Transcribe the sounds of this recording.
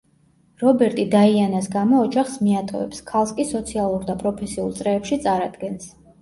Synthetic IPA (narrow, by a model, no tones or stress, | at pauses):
ɾɔbɛɾt̪ʼid̪aianasɡamɔːd͡ʒaχsmiat̪ʼɔ̰ɛ̰pskʰalˠskʼisɔt̪sʰialˠuɾd̪apʼɾɔpʰɛsiulˠt̪sʼɾɛːpʃit̪sʼaɾad̪̥ɡɛns